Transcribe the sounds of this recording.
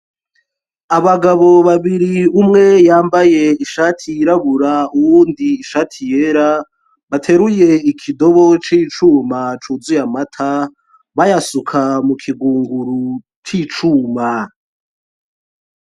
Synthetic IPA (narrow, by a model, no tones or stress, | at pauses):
aβaɡaβo̞βaβiɾiumŋe̞jaːmbaje̞iʃaːtʰijːɾaβuɾauwuːndiːʃaːtʰije̞ɾa | βatʰe̞ɾuje̞ikʰido̞βot͡ʃit͡ʃuːmat͡ʃuzujamatʰa | βajasukʰamukʰiɡuːŋɡuɾu | t͡ʃit͡ʃuma